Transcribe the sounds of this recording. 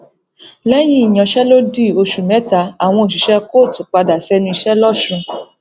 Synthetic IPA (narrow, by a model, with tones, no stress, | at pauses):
lɛ˦j̃ĩ˦i˨j̃ɔ̃˨ʃɛ˦lo˦di˦˨o˧ʃu˨mɛ̃˨˦ta˧a˨w̃ɔ̃˧o˨ʃ̬i˨ʃɛ˦ko˦˨tũ˨k͡pa˧da˨sɛ˦nũ˧i˧ʃɛ˦lɔ˦˨ʃũ˧